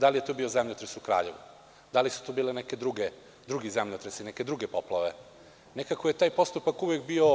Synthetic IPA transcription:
d̪alije̞t̪obio̞zemʎot̪ɾesukɾa̰ːʎe̞̰ʋṵ | d̪alisu̥t̪obiːleneke̞d̪ɾuɡe | d̪ɾuɡizemʎot̪ɾesineke̞d̪ɾuɡepoplˠaʋe̞ | nekakoje̞t̪aːjpo̞st̪upakuʋekbio

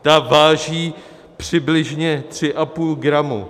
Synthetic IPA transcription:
t̪avaːʒiː | pr̥ɪblɪʒɲɛt̪r̝̥ɪʔapuːlɡɾamṵ

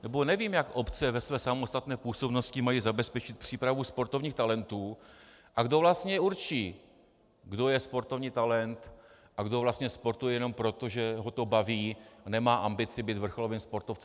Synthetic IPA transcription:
nɛbo̞nɛviːmjakʔo̞pt͡sɛvɛsvɛːsamost̪at̪nɛːpuːso̞bno̞scɪmajiːzabɛspɛt͡ʃɪt̪̚pr̝̥iːpɾavuspoɾt̪o̞vɲiːxt̪alɛnt̪uːʔaɡdo̞vlast̪ɲɛuɾt͡ʃiː | ɡdo̞jɛspo̞ɾt̪o̞vɲiːt̪alɛnt̪ | ʔaɡdo̞vlast̪ɲɛspo̞ɾt̪ujɛjɛno̞mpɾo̞t̪o̞ʒɛɦo̞t̪o̞baviːnɛmaːʔambɪt͡sɪbiːt̪vr̩xolo̞vɪmspo̞ɾt̪oft͡sɛm

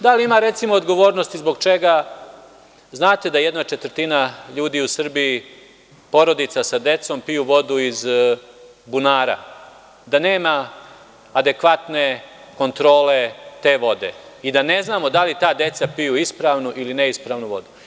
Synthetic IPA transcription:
d̪aliimaɾe̞t̪simoːd̪ɡo̞ʋo̞ːɾnost̪izbo̞ɡt͡ʃe̞ɡa | znaːt̪e̞d̪aje̞d̪nat͡ʃe̞t̪r̩t̪inaʎuːd̪iusr̩bii | po̞ɾo̞d̪it̪sasad̪e̞t̪so̞mpijuʋo̞d̪uiz | bunaːɾa̰ | d̪ane̞ːmaː | d̪e̞kʋat̪ne̞ | ko̞nt̪ɾo̞ːle̞t̪e̞ːʋo̞d̪e̞̰id̪ane̞znaːmo̞d̪alit̪aːd̪e̞t̪sapijuispɾaːʋnuʔiline̞ispɾaːʋnuʋo̞̰d̪u

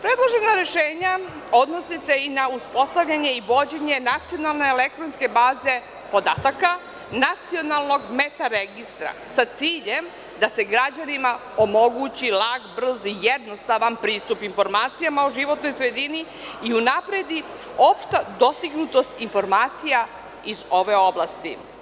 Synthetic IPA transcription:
pɾe̞d̪lˠo̞ʒe̞naɾe̞ʃeːɲao̞d̪no̞sise̞inauspo̞st̪aʋʎʲaɲe̞iʋo̞d͡ʑe̞ɲe̞nat̪sio̞nalˠne̞ːle̞k̚t̪ɾonske̞baːze̞ | po̞d̪aːt̪aka | nat̪sio̞nalˠno̞ɡmet̪aɾeɡist̪ɾa̰sat̪siːʎe̞m | d̪ase̞ɡɾad͡ʑanima | o̞mo̞ɡut͡ɕilˠaɡbr̩zijed̪no̞st̪aʋanpɾiːst̪upinfo̞ɾmaːt̪sijamauʒiʋo̞t̪no̞jsɾe̞d̪ini | iunapɾed̪i | o̞pʃt̪ad̪o̞st̪iɡnut̪o̞st̪info̞ɾmaːt̪sija | izo̞ʋe̞o̞blˠast̪ḭ

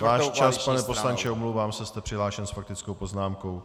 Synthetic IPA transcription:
vaːʃt͡ʃaspanɛpo̞slant͡ʃɛomlowvaːmsɛst̪ɛpr̥ɪɦlaːʃɛnsfak̚t̪ɪt͡skowpo̞znaːmko̞w

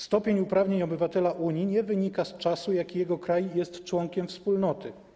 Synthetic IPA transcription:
st̪ɔpʲjeɲupɾavɲeɲɔbɘvat̪ɛlaʔuɲiɲɛvɘɲikast͡ʂasujakʲijɛɡɔkɾajjɛst̪t͡ʂwɔŋkʲɛmfspulnɔt̪ɘ

